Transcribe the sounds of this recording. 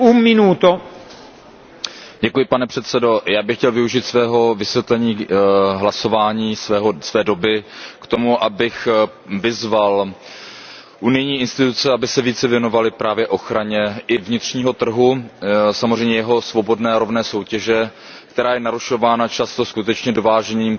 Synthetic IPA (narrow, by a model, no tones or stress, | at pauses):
umɪnuːt̪o | ɟɛkujɪpanɛpr̝̥ɛt̪t͡sɛdo̞jaːbɪxcɛlvɪuʒit̪svɛːɦo̞vɪsvjɛt̪lɛɲiːɦlaso̞vaːɲiːsɛːɦosvɛːdo̞bɪkt̪o̞muʔabɪx | vɪzval | ʔunɪjɲiːʔɪnst̪ɪt̪ut͡sɛabɪsɛviːt͡sɛvjɛno̞valɪpɾaːvjɛʔo̞xɾaɲɛʔɪvɲɪt̪r̥ɲiːɦo̞t̪r̩ɦusamozr̝ɛjmɲɛjɛɦo̞svo̞bo̞dnɛːɾo̞vnɛːso̞wcɛʒɛ | kt̪ɛɾaːjɛnaɾuʃo̞vaːnat͡ʃast̪o̞skut̪ɛt͡ʃɲɛdovaːʒɛniːm